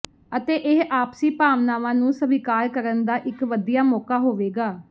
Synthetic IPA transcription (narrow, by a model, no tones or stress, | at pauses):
ət̪eːʔɪɦʔaːpsiːpaːʋnaːʋãːnũːsəʋɪkaːɾkəɾənd̪aːʔɪkʋəd̪ijaːmɔːkaːɦoːʋeːɡaː